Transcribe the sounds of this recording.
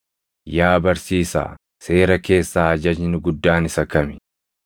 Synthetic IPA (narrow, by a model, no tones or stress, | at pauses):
jaːbɐɾsiːsa̰ː | se̞ːɾɐke̞ːsːaːɐd͡ʒɐd͡ʒnʊɡʊd̪ːaːnɪsɐkɐmɪ̥